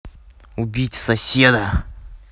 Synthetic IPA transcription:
ubʲitʲsɐsʲed̪ə

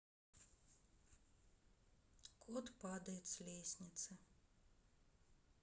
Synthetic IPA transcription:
kʰut̪pad̪ɛjt̪slʲiːsʲnʲit̪sa

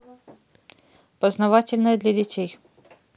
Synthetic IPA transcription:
pɔznɐʋɑtʲɪlʲnɔjɛd̪ʲlʲɐdʲit̪ʲɛj

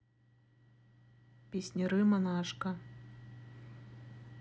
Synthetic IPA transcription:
pʲisʲnʲiɾɨmɐnaʂkɐ

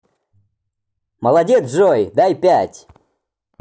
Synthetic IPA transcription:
mɐlˠɐdʲet̪sʐɔjd̪ajpʲætʲ

